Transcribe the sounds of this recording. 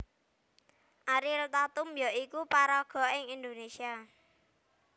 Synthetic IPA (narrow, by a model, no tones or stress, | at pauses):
ʔaɾɪlt̪at̪ʊmjɔʔikupaɾɔɡ̥ɔ̤ɪŋind̪onesia